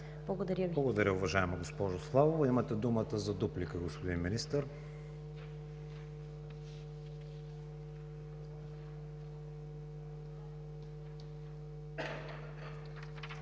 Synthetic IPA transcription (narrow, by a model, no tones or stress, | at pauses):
blˠɐɡod̪ɐɾʲjəvblˠɐɡod̪ɐɾʲəʊvɐʒaɛmoɡospɔʒoslˠavovimət̪ɛd̪umət̪əzɐd̪uplikəɡospʊd̪inminist̪əɾ